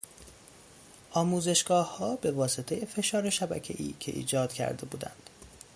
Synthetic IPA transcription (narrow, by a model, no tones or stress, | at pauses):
ʔɒːmuːze̞ʃɡ̥ɒːhhɒːbe̞vɒːset̪ʰe̞je̞fe̞ʃɒːɾe̞ʃæbæ̰cʰe̞̰ʔḭːcʰe̞ʔḭːd͡ʒɒːd̪̥cʰæ̰ɾd̪e̞buːd̪æ̰nd̪̥